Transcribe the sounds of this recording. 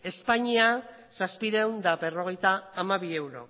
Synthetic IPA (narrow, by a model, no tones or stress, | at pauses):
e̞spaɲia | saspiɾewnd̪aβe̞ro̞ɣ̞e̞jt̪aːmaβ̞ie̞wɾo̞̰